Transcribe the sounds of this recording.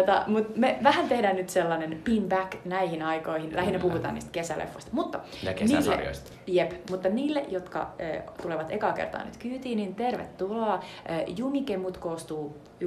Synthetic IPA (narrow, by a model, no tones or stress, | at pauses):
t̪ɑ̰mut̪meʋæhænt̪ehdæːnnyt̪selːɑnenpimbæknæihinɑikoihinlæhinːepuhut̪ɑ̰nḭst̪kesælḛfːoist̪ɑmut̪ːɑniːlːḛt̪ | jepmut̪ːɑniːlːḛʔjot̪kɑ̰ø̰ːt̪uleʋɑt̪ekɑːkert̪ɑ̰ːny̰t̪kyːt̪iːnint̪erʋḛt̪ːulɑːøːjumikemut̪koːst̪uː